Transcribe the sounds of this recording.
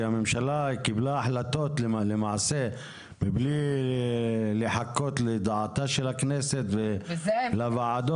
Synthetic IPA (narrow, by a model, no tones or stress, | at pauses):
amemʃalakiblaaħlat̪ot̪llemaʕse | bibli | leħakːot̪led̪aʕat̪aʃelakneset̪velavaʕad̪o